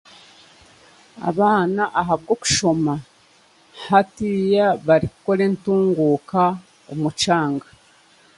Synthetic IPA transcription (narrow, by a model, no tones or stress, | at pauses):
a̰βaːnaʔaɦabɡoku̥ʃo̞ma | hatijaβaɾikuko̞ɾe̞ntuːŋɡuːka | umut͡ʃaːŋɡa